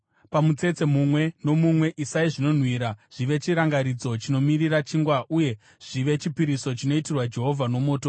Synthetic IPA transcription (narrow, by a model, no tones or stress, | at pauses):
pamut͡se̞t͡se̞mumwe̞no̞mumwe̞ʔisaiʐino̞n̤wiːɾaʐ̥iʋe̞t͡ʃiɾaŋɡaɾid͡zo̞t͡ʃino̞mirirat͡ʃiŋɡwauje̞ | ʐ̥iʋe̞t͡ʃipiɾiso̞t͡ʃino̞itirwad͡ʒe̞ɦo̞vʱano̞mo̞ːto